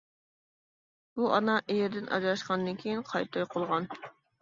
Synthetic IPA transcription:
b̥uʔɑnɑʔejɪɾd̪ɪnʔɑ̰d͡ʒɑʃqɑnd̪ɨnkʲʰejinqʰɑjt̪ʰɑjqʰolˠʁɑn

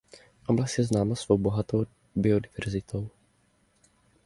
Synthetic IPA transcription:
ʔoblast̪jɛznaːmasv̥owbo̞ɦat̪ow | bɪodɪvɛɾzɪt̪ʰow

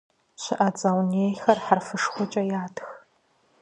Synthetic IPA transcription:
ɕɪʔɐt͡sʼɐwneːjxɐrħarfɨʂχʷʊt͡ʃʼɐjaːtʰx

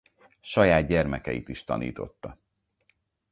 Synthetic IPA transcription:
ʃɒjaːd̪̚ɟɛrmɛkɛjit̪iʃt̪ɒ̰nḭːt̪o̞̰t̪ːɒ

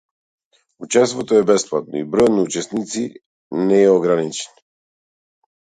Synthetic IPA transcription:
ut͡ʃɛst̪vɔt̪ɔɛbɛsplˠat̪̚nɔibɾɔjnaut͡ʃɛsnit̪si | nɛɛɔɡɾanit͡ʃɛ̥n

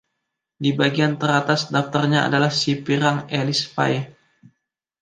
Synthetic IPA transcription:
dibaɡiant̪əɾat̪asdaft̪ərɲaa̰dalahsipiɾaŋelisfa̰j

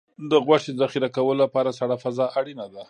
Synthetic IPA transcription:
d̪əɣwaʂed̪əzaxiɾakawəlolapɑɾasaɽafazɑʔaɽinad̪a

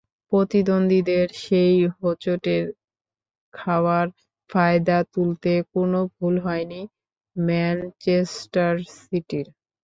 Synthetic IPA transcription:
pɾot̪id̪ond̪ʱid̪eɾʃejɦot͡ɕoʈeɾ | kʰawaɾ | fajd̪at̪ult̪ekonobʱulɦɔeni | mɛnt͡ɕesʈaɾsiʈiɾ

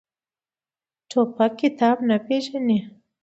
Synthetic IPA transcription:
ʈ͡ʂʰopakːɪt̪ɑːbnapeʒani

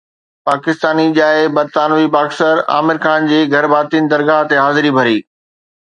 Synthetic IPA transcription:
paːkɪst̪aːniʄaːɪbɐɾt̪aːnʋipaːksəɾa̰ːmɪɾkʰaːnd͡ʑeːɡʱɐɾbaːt̪inɪ̆d̪ɐɾɡaːɦt̪eɦaːzɪɾibʱɐɾiː

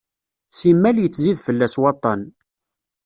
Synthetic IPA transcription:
simːæljət͡sːziðfəlːæswɑt̪ˤːɑn

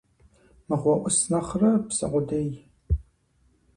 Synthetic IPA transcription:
mɨʁʷɔʔʷʊsnɐχrɐpsɨ̰qʷʊdɐj

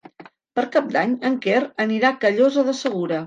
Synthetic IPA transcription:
pəɾkap̚d̪aɲəŋkerəniɾakəʎozəðəsəɣ̞uɾə

